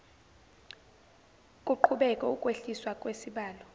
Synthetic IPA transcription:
kʼuǃʰuɓɛkʼɛukʼweɬiswakʼwesiɓaːlɔ

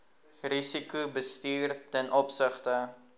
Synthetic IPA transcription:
risikubəstiːrtɛnʔɔpsəχtə

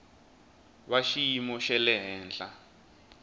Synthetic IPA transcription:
βaʃijimɔʃɛlɛɦɛːnd͡ɮa

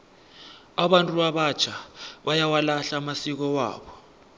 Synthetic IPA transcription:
aɓantʼuaɓḁt͡ʃʰaɓajawalaɬamasik̬ɔwa̰ːɓɔ

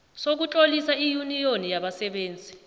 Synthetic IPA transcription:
sok̬ut͡ɬʼolisaijunijonijaɓasɛɓeːnd͡zʱi

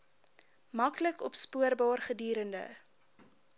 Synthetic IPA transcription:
mɐkləkɔpspuərbɑːrχədiːɾəndə̰

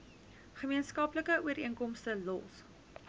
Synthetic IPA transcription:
χəmiənskɐpləkəuəɾiəŋkɔmstəlɔs

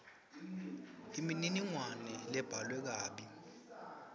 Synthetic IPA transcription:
imininiŋwanɛlɛb̥ʱalwɛk̬aːɓi

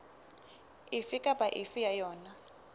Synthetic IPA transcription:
ifikʼabʼaʔifijajɔːna

